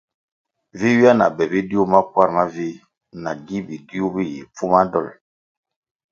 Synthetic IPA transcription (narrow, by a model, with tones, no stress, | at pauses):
vi˦wi˦a˦na̰˨bɛ˨bi˦di˦u˦ma˦kwa˦ɾma˦vi˦ | na˨ɡi˦bi˨di˦u˦bi˦jḭ˨p͡fu˦ma˦dɔ̰˦˨l